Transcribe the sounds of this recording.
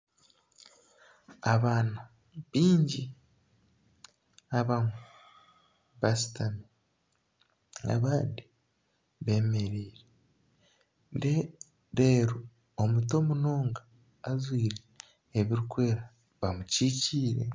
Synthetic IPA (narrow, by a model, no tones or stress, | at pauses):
aβaːnu | βiːɲɟi | aβame | βasi̥tami | a̰βaːndi | βe̞ːme̞ɾiːɾe | e | ɾe̞ːɾu | omuto̞muno̞ːŋɡaː | zwiːɾeː | βiɾikwe̞ːɾa | βamuciːciːɾe̞̰